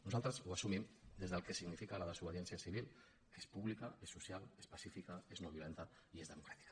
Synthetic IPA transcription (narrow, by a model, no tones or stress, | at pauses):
nuzalˠt̪ɾəzuasumimd̪ezðəlkesiɣnifikaləðəzuβ̞əðjɛnsiasiβ̞il | espuβlikaesːusjalespasifikaeznoβjulent̪a | iezðəmukɾat̪i̥kḁ